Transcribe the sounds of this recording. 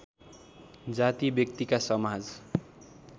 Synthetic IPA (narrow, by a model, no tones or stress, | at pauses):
d͡zat̪ibjʌk̚t̪ikasʌmad͡z